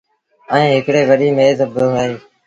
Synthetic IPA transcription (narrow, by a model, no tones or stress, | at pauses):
əĩːɦɪkɽeːʋəɗiːmeːzəbəɦaːiː